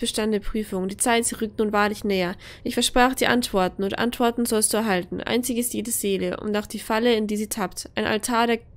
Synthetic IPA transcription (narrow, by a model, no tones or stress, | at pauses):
b̥ɐʃtanndeːɐpʁ̥yːfʊŋd̥iːt͡saɪtz̥iːʁʏk̚tnuːnvaːɐlɪçnɛːɐ | ʔɪçfɛɐʃpʁ̥aːχd̥iːʔa̰ntv̥ɔɐtn̩ʊntʔa̰ntv̥ɔɐtn̩zɔlstd̥uːɛɐɦaltn̩ʔa̰ɪnt͡sɪɡɪstjeːdəz̥eːləʔʊ̰ntaʊxd̥iːfaləɪndiːziːtʰaptʔaɪnʔa̰ltʰaːɐɾeːɐ